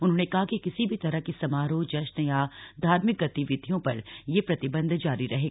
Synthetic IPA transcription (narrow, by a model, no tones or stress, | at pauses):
ʊnɦõːnekɐɦakekɪsibʱit̪ɐɾakesɐmaːɾõd͡ʒɐʃnjad̪ʱaːɾmɪk̚ɡɐt̪iʋɪd̪ʱijõpɐ̰ɾjepɾɐt̪ɪbə̃nd̪ʱd͡ʒaːɾiɾɐɦeːɡ